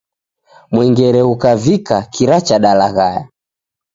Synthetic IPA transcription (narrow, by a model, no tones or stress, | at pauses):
mwɛŋɡɛɾɛukavikakiɾat͡ʃaɗalaɣaja̰